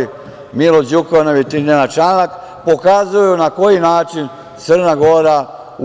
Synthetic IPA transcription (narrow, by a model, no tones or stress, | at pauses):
milod͡ʒukonoʋet̪ienat͡ʃanak | po̞kazujunako̞jinaːt͡ʃin | t̪sər̩naɡo̞ɾa | u